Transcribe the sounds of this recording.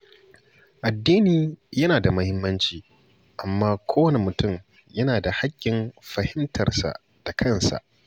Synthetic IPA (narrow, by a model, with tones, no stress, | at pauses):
ʔa˨dːiː˦niː˨jɐ˦naː˨da˨mɐ˦hɪ˦mːɐ˦nt͡ʃiː˨ | ʔa˨mːaː˦kʷʰoː˦wɐ˦ne˦mʊ˨tʊ˦˨m | jɐ˦naː˨da˨ha˦kʲːɪ˨nɸɐ˨hɪ˦mtʰɐ̰˨rsa̰˨ʔ | d̥a˨kʰɐ˦˨nsa̰˨ʔ